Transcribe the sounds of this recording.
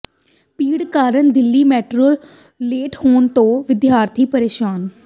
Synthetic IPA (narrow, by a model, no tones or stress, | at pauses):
piːɽkaːɾənd̪ɪlːiːmɛːʈɾoːl | leːʈhoːnt̪õːʋɪd̪jaːɾt̪ʰiːpəɾeːʃaːn